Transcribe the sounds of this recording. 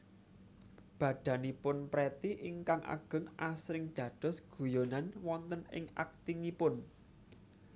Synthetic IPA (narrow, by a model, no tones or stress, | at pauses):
b̥ä̤ɖ̪̥ä̤nipʊnpɾet̪iʔiŋkaŋʔa̰ɡ̥ə̤ŋʔasɾɪŋd̪̥ä̤d̪̥ɔ̤sɡ̥ṳjonanwɔnt̪ənɪ̰ŋa̰k̚t̪iŋipʊn